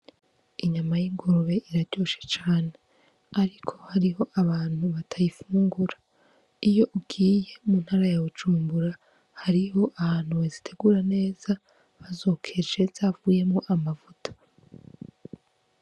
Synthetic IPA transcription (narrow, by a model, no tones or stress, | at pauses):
iɲamajiŋɡoɾoβe̞ʔiɾaɾɟ̥o̞ʃe̥t͡ʃaːne̞ | aɾikʰo̞̥haɾiɦo̞ʔaβaːn̥huβatʰajifuːŋɡuɾa | ijo̞ʔubɡiːje̞mun̥haːɾajaβud͡ʒuːmbuɾa | haɾiho̞ʔahaːn̥huwezitʰe̞ɡuːɾane̞ːz̥a | βazo̞ːkʰe̞d͡ʒe̞zavuje̞muʔamavutʰḁ